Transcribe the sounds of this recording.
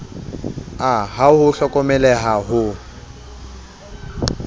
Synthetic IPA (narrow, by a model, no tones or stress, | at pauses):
aɦahʊɬɔkʼɔmɛlɛɦaɦʊ